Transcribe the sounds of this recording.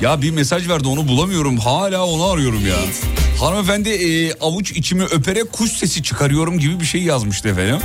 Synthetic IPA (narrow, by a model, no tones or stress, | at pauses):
jabimesaʒvæɾd̪io̞nubulˠamɯjo̞ɾumɦaːlʲaːo̞naːɾɯjo̞ɾumja̰ːhaɾmefænd̪ɪːavut͡ʃʰit͡ʃʰimiʔø̞pʰe̞ɾɛkʰust̪ʰe̞sit͡ʃʰɯ̥kʰaɾɯjo̞ɾumɟibibiʃe̞jjazmɯʃt̪ʰɯefenim